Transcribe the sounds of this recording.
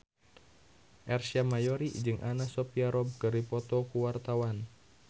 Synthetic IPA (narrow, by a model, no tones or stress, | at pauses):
ʔɛrsiamajɔɾid͡ʒɨŋʔanasɔpiaɾɔb̚kɨripɔt̪ɔkuwart̪awan